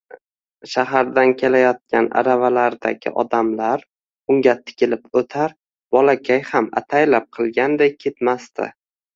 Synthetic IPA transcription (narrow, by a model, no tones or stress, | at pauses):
ʃaɦaɾd̪ankʲʰe̞lajɒt̪̚kʲana̰ɾavalaɾd̪a̰ɡʲɪ̰ʔɒd̪amlaɾ | ʊŋɡʲat̪ʰɪ̥kʲɪlɪpot̪ʰaɾ | bɒlakʲʰajhama̰t̪ʰajlap̚qʰɨlˠɡʲand̪ejkʲʰe̞t̪mast̪ɪ̰